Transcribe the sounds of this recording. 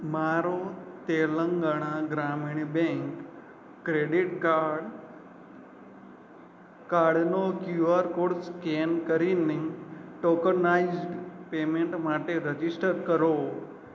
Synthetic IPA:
maɾot̪eləŋɡəɽ̃ãɡɾamiɳbẽŋkː | ɾeɖiʈkaɾɖ | kaɾɖnokjuaɾkoɽskenkəɾineʈokənaizɖpemeɳʈmaʈeɾəd͡ʒisʈʰəɾkəɾo

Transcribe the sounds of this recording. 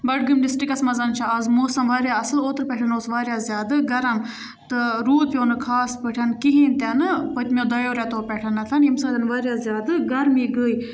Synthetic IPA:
bɐʈ̚ɡɨmlisʈikɐsmɐzɐnt͡ʃʰaɐzmoːsɐnʋaːɾʲjaɐsɨloːt̪ɾpʲɛʈʰɐnoːsʋaːɾʲjaːzʲjaːd̪ɨɡɐɾɐm | t̪ɨɾuːd̪̚pʲjoːnɨkʰaːspəʈʰɐnkiɦiːnt̪ʲɐnɨpət̪ʲmʲod̪ɐjoːɾjat̪oːpʲɛʈʰɐnɐt̪ʰɐnimsaːd̪ʲɐnʋaːɾʲjaːzʲjaːd̪ɨɡɐɾmiːɡəːi

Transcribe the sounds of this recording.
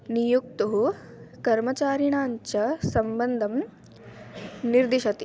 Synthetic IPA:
nijuk̚t̪uɦu | kɐɾmɐt͡ʃaːɾiɳaːɲt͡ʃɐsɐmbɐnd̪ʱɐm | niɾd̪iʃɐt̪i

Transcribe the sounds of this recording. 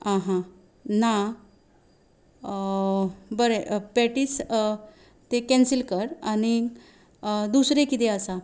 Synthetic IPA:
ãɦã | na | bəɾepɛʈiːs | t̪ekɛ̃nsilkəɾaɽ̃i | d̪usɾekit̪eəsa

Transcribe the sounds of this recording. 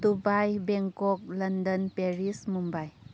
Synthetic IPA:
dubajbeŋkɔk̚lɐndənpeɾismumbaj

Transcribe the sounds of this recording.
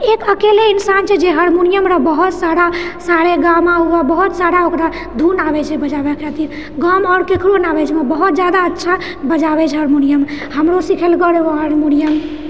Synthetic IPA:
ekəkeleinsant͡ʃʰɛd͡ʒeɦəɾmunijəmɾəbəɦut̪saɾasaɾeɡamaɦuabəɦut̪saɾaokɾa | d̪ʱunabɛt͡ʃʰɛbəd͡ʒabekʰɛt̪i | ɡɔmɔːɾkekʰɾonabɛt͡ʃʰmebəɦut̪̚d͡ʒjad̪aətːʃʰa | bəd͡ʒabɛt͡ʃʰɦəɾmunijəmhəmɾosikʰelkəɾeoɦəɾmunijəm

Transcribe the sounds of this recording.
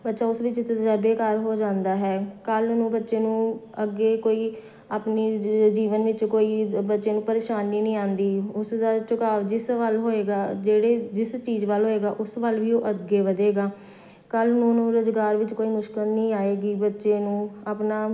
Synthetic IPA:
bətːʃaːʊsʋɪt͡ʃt̪ət̪d͡ʒəɾbeːkəɾɦoːd͡ʒãːnd̪aːɦɛːkəlnũːbətːʃeːnũːəɡːeːkoːiː | aːpniːd͡ʒiːʋənʋɪt͡ʃkoːiːbətːʃeːnũːpəɾeːʃaːnːiːnĩːãːnd̪iːʊsd̪aːt͡ʃʊkaːʋd͡ʒɪsʋəlɦoːeːɡaːd͡ʒeːɽeːd͡ʒɪst͡ʃiːzʋəːlɦoːeːɡaːʔʊsʋəlʋiːoːʔəɡeːʋəd̪eːɡaː | kəlnũːnũːɾʊzɡaːɾʋɪt͡ʃkoːiːmʊʃkɪlnĩːaːeːɡiːbətːʃeːnũːaːpnaː

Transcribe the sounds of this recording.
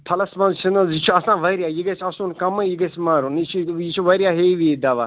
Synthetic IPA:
pʰɐlɐsmɐ̃nzt͡ʃʰinɐzit͡ʃʰuɐsãːʋɐɾjajiɡɐsʲʰɐsunkɐmɨ̃jiɡɐsmaːɾunit͡ʃʰuit͡ʃʰuʋɐɾjaːɦeʋid̪ɐʋa

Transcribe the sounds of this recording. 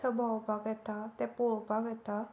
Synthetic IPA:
əbʱawpaɡɛt̪at̪ɛpoɭpaɡɛt̪a

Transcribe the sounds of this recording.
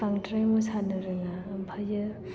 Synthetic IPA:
aŋtɾajmusʰanɯɾɯŋapʰajɯ

